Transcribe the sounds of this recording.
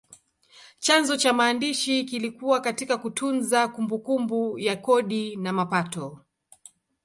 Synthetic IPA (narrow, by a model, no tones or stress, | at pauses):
t͡ʃanzɔt͡ʃamaːndiʃikilikuwakatikakutʰunzakumbukumbujakɔɗinamapatɔ